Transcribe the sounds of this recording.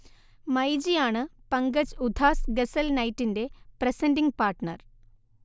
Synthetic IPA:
mɐjd͡ʑijaːɳɨpɐŋɡɐd͡ʑud̪ʱaːsɡesɐlnɐjtːinde̞prɐsɐndiŋpaːrʈɳɐr

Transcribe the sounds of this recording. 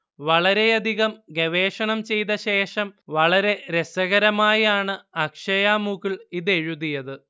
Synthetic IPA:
ʋɐɭɐɾe̞ɐd̪ʱiɣɐmɡɐʋe̞ːʂɐɳɐmt͡ɕe̞jt̪ɐɕe̞ːʂɐmʋɐɭɐɾe̞ɾe̞sɐɣɐɾɐmaːjaːɳɨɐkʂɐjaːmuɣiɭiðe̞ɻuðijɐðɨ

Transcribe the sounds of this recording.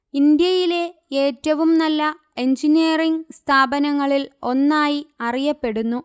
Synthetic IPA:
ind̪jɐjile̞e̞ːtːɐʋumnɐlːɐ | e̞ɲd͡ʑiniɐriŋɡst̪ʰaːbɐnɐŋːɐɭilo̞nːaːjiɐrijɐpːe̞ɽunːu

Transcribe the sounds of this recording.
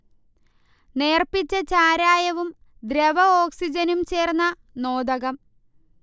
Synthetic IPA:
ne̞ːrpit͡ɕːɐt͡ɕaːɾaːjɐʋum | d̪ɾeʋɐoːksid͡ʑɐnumt͡ɕe̞ːrnːɐ | no̞ːd̪ɐɣɐm

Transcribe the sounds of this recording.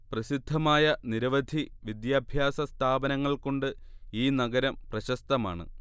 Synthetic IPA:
prɐsid̪ʱːɐmaːjɐniɾɐʋɐd̪ʱiʋid̪jaːbʱjaːsɐst̪ʰaːbɐnɐŋːɐɭko̞ɳɖɨ | iːnɐɡɐɾɐmprɐɕɐst̪ɐmaːɳɨ̰

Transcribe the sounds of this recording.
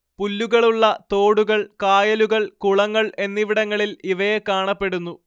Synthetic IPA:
pulːuɣɐɭuɭːɐt̪o̞ːɽuɣɐɭkaːjɐluɣɐɭkuɭɐŋːɐɭe̞nːiʋiɽɐŋːɐɭiliʋɐjekaːɳɐpːe̞ɽunːu

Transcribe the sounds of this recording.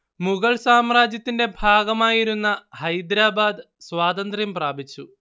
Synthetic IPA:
muɣɐɭsaːmraːd͡ʑjɐt̪ːinde̞bʱaːɡɐmaːjiɾunːɐhɐjd̪ɾaːbaːd̪ | swaːt̪ɐnd̪rimpraːbit͡ɕːu

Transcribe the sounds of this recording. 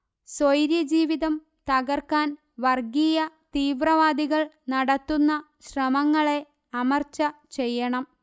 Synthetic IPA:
sojɾjɐd͡ʑiːʋiðɐm | t̪ɐɣɐrkaːn | ʋɐrɡijɐ | t̪iːʋrɐʋaːd̪iɣɐɭ | nɐɽɐt̪ːunːɐ | ɕrɐmɐŋːɐɭe̞ | ɐmɐrt͡ɕːɐt͡ɕe̞jːɐɳɐm

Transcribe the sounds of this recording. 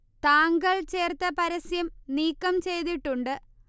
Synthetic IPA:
t̪aːŋɡɐɭt͡ɕeːrt̪ɐpɐɾɐsjɐmniːkːɐmt͡ɕe̞jt̪iʈːuɳɖɨ

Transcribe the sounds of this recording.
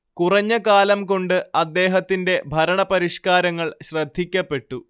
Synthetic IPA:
kurɐɲːɐkaːlɐmko̞ɳɖɨɐd̪ːe̞ːɦɐt̪ːinde̞bʱɐɾɐɳɐpɐɾiʂkaːɾɐŋːɐɭɕrɐd̪ʱːikʲːɐpːe̞ʈːu

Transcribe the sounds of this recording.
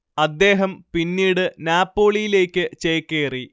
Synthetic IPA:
ɐd̪ːe̞ːɦɐmpinːiːɽɨnaːpːo̞ːɭijile̞ːkʲːɨt͡ɕejkːeːri

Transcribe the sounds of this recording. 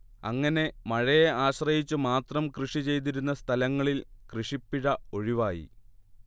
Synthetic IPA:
ɐŋːɐne̞mɐɻɐjeaːɕrɐjit͡ɕːumaːt̪rɐmkrɨʂit͡ɕe̞jt̪̬iɾunːɐst̪ʰɐlɐŋːɐɭilkrɨʂipːiɻɐo̞ɻiʋaːjḭ

